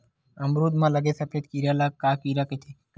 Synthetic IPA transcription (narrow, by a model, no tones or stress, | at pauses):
əmɾuːd̪mãːləɡeːsɐpʰeːd̪kiɾjaːlaːkːaːkiːɾaːket̪ʰeːk